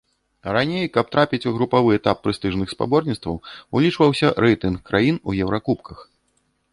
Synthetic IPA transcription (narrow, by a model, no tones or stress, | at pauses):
ranʲejkɐp̚t̪ɾapʲit͡sʲuɣɾupavɨɛt̪apːɾɨst̪ɨʐnɨxspa̰bɔrnʲit̪st̪vɐwulʲit͡ʂvɐwsʲɐɾɛjt̪ɨnkːɾajinujɛwɾʔakupkʰɐx